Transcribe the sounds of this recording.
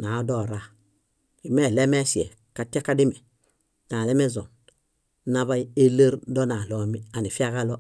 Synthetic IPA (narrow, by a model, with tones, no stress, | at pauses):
na˨˦do˦˨ɾa˨ | i˨me˦˨le˦me˦si˨ḛ˨ | ka˨ti˦a˦ka˦di˦me˨ | na˨le˦me˦zo˨n | na˦βa˦i˦e˦le˦ɾdo˦na˨lo˦mi˦a˨ni˨fi˦a˦ka˦lo˦